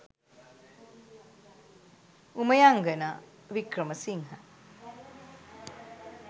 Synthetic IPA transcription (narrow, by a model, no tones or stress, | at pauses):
uməjaŋɡəna | ʋikɾəməsiŋɦa